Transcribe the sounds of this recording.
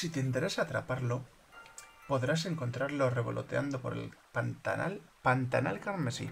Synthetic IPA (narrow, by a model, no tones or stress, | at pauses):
sit̪eint̪e̞ɾe̞saːt̪ɾa̰paɾlo | po̞ðɾase̞ŋko̞nt̪ɾaɾlore̞βo̞̰lʔo̞̰t̪eand̪o̞po̞ɾḛlpalpant̪ana̰lkaɾmesḭ